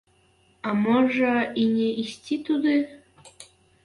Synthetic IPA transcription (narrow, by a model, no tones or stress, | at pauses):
amoʒəinʲeʔisʲtʲit̪ud̪ɨ